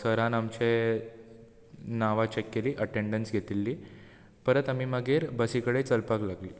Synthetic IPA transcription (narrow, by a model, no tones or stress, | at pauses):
səɾãnamt͡ɕe | naʋat͡ɕekːeliːʔəʈeɳɖənsɡʱet̪ilːiː | pəɾət̪am̤iːməɡʱeɾbəsikəɽet͡səlpaklaɡlḭː